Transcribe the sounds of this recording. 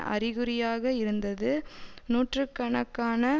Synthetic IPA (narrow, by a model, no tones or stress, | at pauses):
ʔɐ̰rɪɣɯɾɪjaːɣɐɪɾɯnd̪ɐðɯnuːʈrɯkːɐɳɐkːaːnɐ